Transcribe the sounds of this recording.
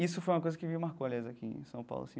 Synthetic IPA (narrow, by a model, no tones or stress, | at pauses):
isʊfojũmɐkojzɐkɪvimaɾkoaljajzakiḛ̃sɐ̃w̃pa̰wlʊ̰sĩ